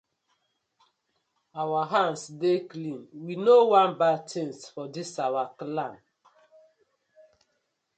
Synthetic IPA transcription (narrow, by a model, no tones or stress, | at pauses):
awaɦãnsdeklĩnwinowãnbad̚tẽnsfɔdisawaklãm